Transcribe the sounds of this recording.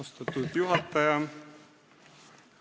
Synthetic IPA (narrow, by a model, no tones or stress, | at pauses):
ost̪ɑt̪ːˑud̪̥juɦɑt̪ːˑɑjɑ